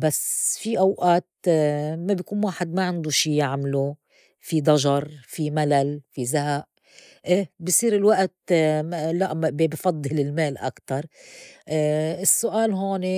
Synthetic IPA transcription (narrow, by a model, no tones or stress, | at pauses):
basfiʔawʔaːt̪mabjkuːnwaːħɪd̪maʕɪnd̪uʃiːjaʕmlu | fid̪ˤɑʒɑɾˤfimalalfizaɦaʔ | ʔeːbisˤiːɾɪlwaʔt̪ | laʔbbifɑd̪ˤːɨlɪlmeːlʔa̰kt̪ɑɾˤ | ɪsːʊʔaːlɦoːne